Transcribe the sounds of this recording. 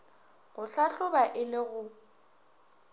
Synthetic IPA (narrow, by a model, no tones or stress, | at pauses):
ɣʊɬaɬʊbaʔɪlɪɣʊ